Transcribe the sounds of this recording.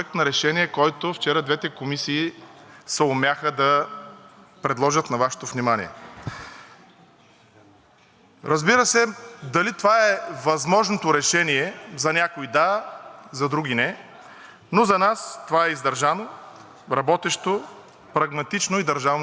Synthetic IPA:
əknɐɾɛʃɛniɛkɔjt̪oft͡ʃɛɾəd̪vɛt̪ɛkomisiː | sɛomʲaxəd̪ɐ | pɾɛd̪lˠɔʒət̪nɐvaʃɛ̥t̪ovnimanʲḭɛ | ɾɐzbiɾəsɛd̪ɐlit̪ovaɛvɐzmɔʒnot̪oɾɛʃɛniɛzɐnʲakoid̪azɐd̪ɾuɡinɛ | nozɐnast̪ovaɛizd̪ɐɾʒano | ɾɐbɔt̪ɛʃt̪o | pɾɐɡmɐt̪it͡ʃnoid̪ɐɾʒavn

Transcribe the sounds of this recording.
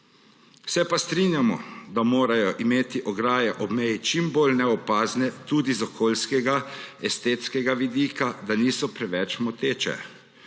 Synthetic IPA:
sɛpast̪ɾiːnjamɔ̰d̪amoːɾajɔʔimeːt̪iʔɔɡɾaːjɛʔɔbmɛjit͡ʃimbolnɛɔpaːznɛt̪uːd̪izɔkʰoːlskɛɡaɛst̪eːt̪skɛɡaʋid̪iːkad̪aniːsɔpɾɛʋɛt͡ʃmɔt̪eːt͡ʃɛ̰

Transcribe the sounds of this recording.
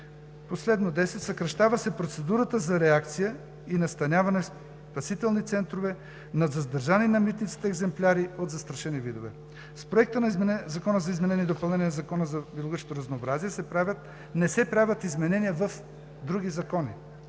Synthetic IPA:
poslɛd̪nod̪ɛsɛt̪ʲsɐkɾɐʃt̪avɐsɛpɾot̪sɛd̪uɾət̪əzɐɾɛakt̪sijə | inɐst̪ɐnʲjavɐnɛs | pɐsit̪ɛlˠnit̪sɛnt̪ɾovɛ | nɐzɐzd̪ɐɾʒaninɐmit̪nit̪si̥t̪ɛɡzɛmplʲaɾiot̪zɐst̪ɾɐʃɛnivid̪ovɛ̰ | spɾoɛk̚t̪ənzɐkɔnəzɐizmɛnɛniəd̪opɐlˠnɛnʲiɛnɐzɐkɔnəzɐbilˠoɡət͡ʃot̪oɾɐznoːbɾaziɛsɛ | nɛsɛpɾavʲjət̪izmɛnɛniəvɐf | d̪ɾuɡizɐkɔnḭ

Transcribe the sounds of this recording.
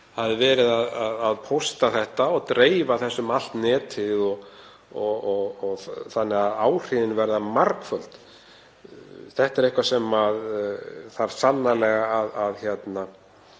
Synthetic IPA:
havðɪvɛːɾɪðaðaðaðpʰowst̪aθɛht̪aɔt̪ɾeːjvaθɛsːʏmal̥t̪nɛːt̪ʰɪðɔɣ | ɔɔɣɔɣθanːɛɣaðaːwr̥ɪðɪnvɛɾðamaɾkfœl̥t̪ | θɛht̪ɛɾejhkvasɛmaðθaɾ̥sanːalɛɣaːðaðçjɛt̪na

